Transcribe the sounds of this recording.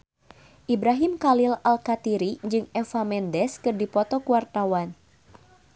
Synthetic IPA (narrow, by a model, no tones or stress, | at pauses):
ʔibɾaɦimkalilalkat̪iɾid͡ʒɨŋɛfamɛndɛskɨrdipɔt̪ɔkuwart̪awan